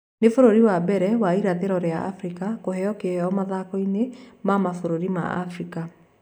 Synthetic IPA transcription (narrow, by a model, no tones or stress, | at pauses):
nefoɾoɾiwabɛɾɛwaiɾaðeɾɔɾeaa̰fɾikakoɦɛɔkeɛɔmaðakɔinemamafoɾoɾima̰a̰fɾika